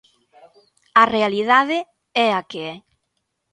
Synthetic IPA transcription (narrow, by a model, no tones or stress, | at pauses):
arealiðaðɪ | ɛakeɛ